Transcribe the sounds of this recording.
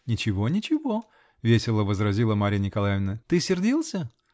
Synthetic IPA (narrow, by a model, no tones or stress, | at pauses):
nʲɪt͡ɕɪvo̞nʲɪt͡ɕɪvo̞ | vʲesʲɪlˠəvəzɾɐzʲilˠəmaɾʲɪjənʲɪkɐlˠajvʲɪnət̪ɨsʲɪrdʲilˠsʲə